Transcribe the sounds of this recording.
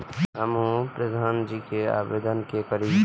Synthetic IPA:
ɦəmɦũpɾəd̪ʱaːnd͡ʒikea̰ːbeːd̪ənkekəɾi

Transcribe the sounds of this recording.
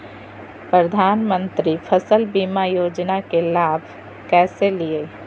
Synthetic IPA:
pɾəd̪ʱaːnmə̃nt̪ɾipʰəsəlbiːmajoːd͡ʒnakelaːbʱ | kɛːselie

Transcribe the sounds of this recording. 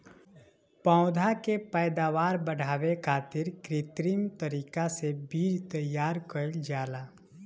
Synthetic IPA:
pãːʊd̪ʱakepɛɪd̪aːʋaːɾbəɽ̤ʱaːwekʰaːt̪ɪɾkɾɪt̪ɾimt̪əɾiːkasebiːd͡ʒt̪əjaːɾkəld͡ʒaːlaː

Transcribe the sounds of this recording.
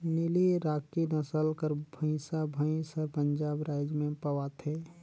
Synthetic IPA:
niliɾaːkːinəsəlkəɾbʱə̃ɪ̃sabʱə̃ĩsəɾpəɲd͡ʒaːbɾaɪd͡ʒmẽpəwat̪ʰe

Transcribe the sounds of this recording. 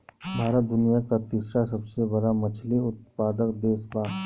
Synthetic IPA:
bʱaːɾət̪̚d̪ʊnijakat̪isɾasɐbsebɐɽamɐt͡ʃʰliʊt̪̚paːd̪əkd̪eːsbaː

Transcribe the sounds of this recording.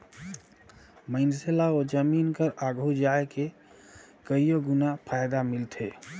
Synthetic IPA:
məɪnselaod͡ʒəmiːnkəɾaɡɦud͡ʒaeke | kəijoɡunapʰajd̪amilt̪ʰe

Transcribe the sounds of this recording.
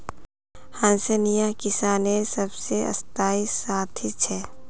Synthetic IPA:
hãnsemijakɪsaːnesɐbseɐ̰st̪aːisaːt̪ʰit͡ʃʰɛː

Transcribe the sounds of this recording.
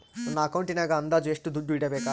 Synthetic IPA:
mɐnːɐːkɐwɳʈinaɡɐɐnd̪ad͡ʒueʂʈud̪uɖuʋiːɽabeka

